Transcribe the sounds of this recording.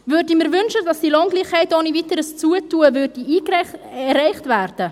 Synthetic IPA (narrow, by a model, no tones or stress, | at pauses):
vʏɾdimɪɾvʏnʃədɑsd̥ilɔŋɡliːχhɛɪtonivitəɾəst͡suətuːəvɾd̥iiːɛrɛɪχtvæːɾd̥ə